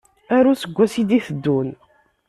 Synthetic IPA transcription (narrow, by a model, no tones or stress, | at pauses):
æɾusəɡʷːæsid̪iθəd̪ːun